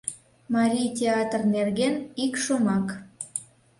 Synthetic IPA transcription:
mɑɾʲijtʲeɑt̪rnerɣenikʃomɑk

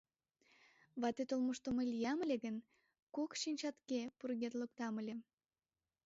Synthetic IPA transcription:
βɑt̪et̪olmoʃt̪omelʲjɑməlʲeɣən | kokʃinʲt͡ɕɑt̪kepurɣet̪lok̚t̪ɑməlʲe

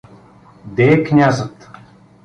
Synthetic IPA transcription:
d̪ɛːknʲazət̪

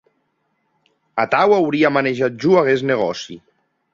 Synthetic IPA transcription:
at̪awawɾiamaneʒat̪̚ʒuaɣezneɣ̞ɔsi

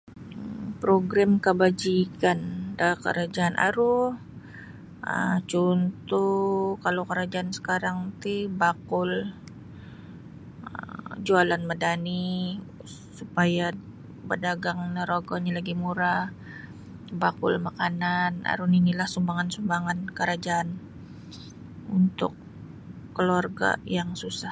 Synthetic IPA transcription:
pɾoɡɾamkəbad͡ʒikandakə̰ɾad͡ʒaʔːnʔa̰ɾuh | ə̰t͡ʃunt̪ukalowkəɾad͡ʒaːnsə̥kaɾaŋt̪ibakʊl | əd͡ʒualanmədani | supaja | bədaɡaŋnəɾoɡɔɲalaɡimuɾa | bakʊ̰lmakanana̰ɾuninilahsumbaŋansumbaŋankəɾad͡ʒaʔan | unt̪ʊ̰kː | əluarɡa̰jaŋsusah

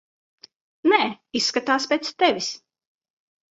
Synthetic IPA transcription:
nɛː | isːkat̪aːspʲeːt̪st̪ɛvʲis

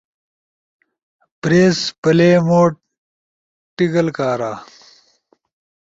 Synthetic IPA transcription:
pɾeːspɐleːmoːʈ̚ | ʈːiɡɐlkaːɾaː

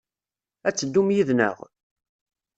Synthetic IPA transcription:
æt͡sːəd̪ːumjiðnə̰ʁ

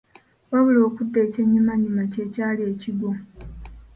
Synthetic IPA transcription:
waβulo̞ːkudːe̞ːce̞ɲːumaɲːumace̞ːcaːlie̞ːciɡo

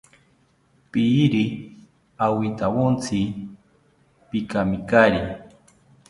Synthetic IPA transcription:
piɾi | awit̪awont͡sʰi | pikamikaɾi

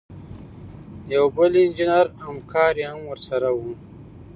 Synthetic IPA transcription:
jawbəlɪnd͡ʒinaɾhamkʰɑːɾihamwəɾsaɾawu

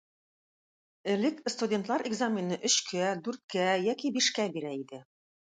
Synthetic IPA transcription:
ɘ̆lɘkst̪udʲe̞nt̪lˠɑɾʔeɡzamʲɪnɤʔɵ̆ɕkʰæd̪ʉɾt̪̚kæjækibiʃkæbiɾæid̪ɘ

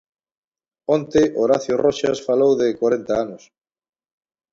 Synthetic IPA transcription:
ont̪eʔoɾaθjoroʃasfalowðekwaɾent̪aanʊs

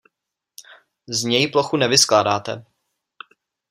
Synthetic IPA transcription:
zɲɛjploxunɛvɪsklaːdaːt̪ɛ̰

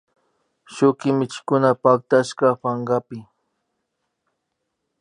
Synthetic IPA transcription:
ʃʊkɪmɪt͡ʃɪ̥kʊnapak̚t̪aʃkɑpaɴɢɑpɪ

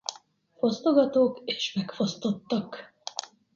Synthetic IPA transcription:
fo̞st̪o̞ɡɒt̪oːkeːʃmɛkfo̞st̪o̞t̪ːɒk

